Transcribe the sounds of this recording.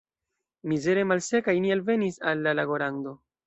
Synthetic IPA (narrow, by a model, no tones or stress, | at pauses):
mize̞ɾe̞malse̞kajnialve̞nisalːalaɡo̞ɾaŋdo̞